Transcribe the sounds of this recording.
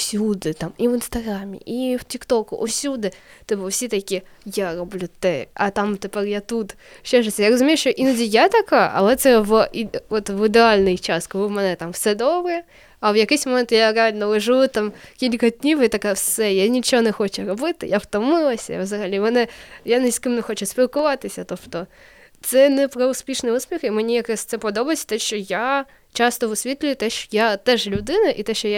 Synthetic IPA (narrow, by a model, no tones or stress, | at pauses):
fsʲud̪ɨt̪amivɨnst̪ɐɡɾamʲɪ̰ʔiftʲɪkt̪okʊʔʊ̰sʲud̪ɨt̪ɨbɨfsʲet̪ɐkʲi | jaɾʊblʲut̪ɛɐt̪amt̪ɨpɛɾʲjat̪ut̪ | ɕɛʐɨt̪sʲəjaɾəzʊmʲejʊʂjoʔinudʲɪjat̪ɐka̰ʔɐ̰vot̪ʲvivot̪vɨd̪ʲɪalʲnɨjt͡ɕaskvɨmɐnɛt̪amfsɛd̪obɨjə | ɐvjɐkesʲmɐmʲɛnt̪jaɾʲalʲnəlˠɐʐɨɨt̪ːamkʲilʲkɐd̪ʲnʲiwit̪ɐkafsɛjanʲit͡ʃɔɦɔnɛxɔt͡ʃɛɾɔbɪt̪ɪjaft̪ɔmɪlˠɐsʲɐ̰ḭʋzɐɣɐlʲimɛnɛjanɪsʲkɨmnɛxɔt͡ʃɛspʲilˠkʊʋɑt̪ɪsʲɐt̪ɔbt̪ɔ | t̪sɛnɛpɾɐʊspʲiʂnɪjusʲpʲiximenʲijɐkɾasʲt̪sɛpɔd̪ɔbɐsʲɐ̥t̪ɛʃt͡ʃɔja | t͡ʃɑst̪ɔʋʊsʲʋʲit̪lʲʊjʊt̪ɛʃt͡ʃɔjat̪ɛʒlʲʊd̪ɪnɐʔit̪ɛʃt͡ʃɔja